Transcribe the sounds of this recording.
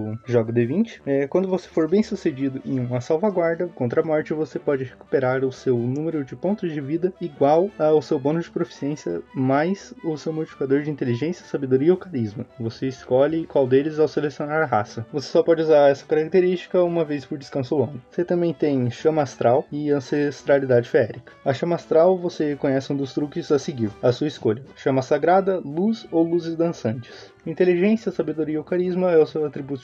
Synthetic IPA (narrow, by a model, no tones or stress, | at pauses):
ʊʒɔɡʊd̪evĩnt͡ʃɪ̥ɛkwɐ̃nd̪ʊvosefoɾbẽj̃sused͡ʒid̪ʊẽj̃ũmɐsawvaɡwaɾd̪ɐkõnt̪ɾɐmɔɾt͡ʃɪvosepɔd͡ʒɪheku̥peɾaɾʊsewnũmeɾʊd͡ʒɪpõnt̪ʊzd͡ʒɪvid̪ɐiɡwawaːwsewbõnʊd͡ʒɪpɾofi̥siẽsiɐ̰majsʊsewmowt͡ʃifi̥kad̪oɾd͡ʒɪĩnt̪eliʒẽsiɐsabed̪oɾiɐʊkaɾizmɐvoseɪskɔʎɪkwawd̪elɪzawselesionaɾɐɦa̰sɐvose̥sɔpɔd͡ʒɪuzaɾɛsɐ̥kaɾak̚t̪eɾist͡ʃi̥kɐũmɐvespʊɾd͡ʒɪskɐ̃sʊlõɡ̪ʊvo̥set̪ɐ̃mbẽj̃t̪ẽj̃ʃɐ̃mast̪ɾawɪɐ̃sest̪ɾalid̪ad͡ʒɪfɛɾikɐ̥ɐʃɐ̃mast̪ɾawvosekõɲɛsɪũd̪ʊst̪ɾukɪzaseɡiɾɐsuɐiskoʎɐʃɐ̃mɐsaɡɾad̪ɐluzowluzɪzd̪ɐ̃sɐ̃nt͡ʃɪ̥s | ĩnt̪eliʒẽsiɐsabed̪oɾiɐʊkaɾizmɐɛʊsewat̪ɾibut̪ʊ̥